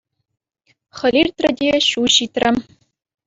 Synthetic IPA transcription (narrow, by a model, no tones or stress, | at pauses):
χə̆lʲirt̪rɘ̆d̪ʲeɕuɕit̪rɘm